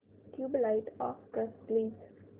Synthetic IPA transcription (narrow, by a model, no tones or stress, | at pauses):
ʈʰjuːblaɪʈɔ̰ːfkɾɛsliːɡz